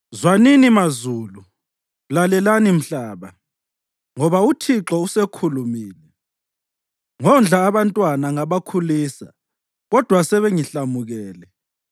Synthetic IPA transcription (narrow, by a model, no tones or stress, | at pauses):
zwaninimazuːlu | lalɛlanim̩ɬaːβa | ŋɔβautʰiǁɔusekʰulumiːlɛ | ŋɔnd͡ɮʱaːβantʼwanaŋaβakʰulisa | ɣɔd̥ʱwasɛβeŋiɬamuɣɛːlɛ